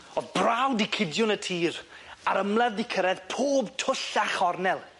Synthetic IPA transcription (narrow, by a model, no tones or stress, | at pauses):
ɔðbrawdikʰɪdjʊnətʰiːr | aɾəmlˠɛðɪkʰəɾɛðpʰoːbtʰʊɬaχɔrnɛlˠ